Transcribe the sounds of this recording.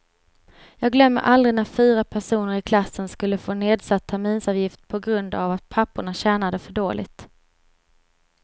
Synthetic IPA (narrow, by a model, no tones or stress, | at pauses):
jɑːɡlœmːə̰ɾʔald̪ɾɪnaɾfyːɾapʰæʂuːnəɾɪkʰlasːənskɵlːəfoːneːd̪sat̪ʰːæɾmiːnsɑːvjɪft̪̚pʰɔɡɾɵnd̪a̰vat̪̚pʰapːʊɳaɕɛːnad̪əfœɖoːlɪ̰ɡt̪